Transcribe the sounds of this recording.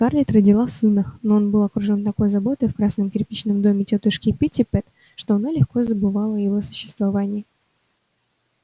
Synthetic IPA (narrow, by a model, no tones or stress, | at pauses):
karlʲɪt̪rədʲɪlˠasɨnənoo̞nbɨlˠɐkɾʊʐo̞nt̪ɐko̞jzɐbo̞t̪ɨjfkɾasnəmkʲɪɾʲpʲit͡ɕnɨmd̪o̞mʲɪtʲot̪ɨʂkʲɪpʲitʲɪpɛt̪ | ʂt̪oɐnalʲɪxko̞zəbɨvalˠəjɪvo̞sʊ̥ɕːɪ̥st̪vɐvanʲɪjɪ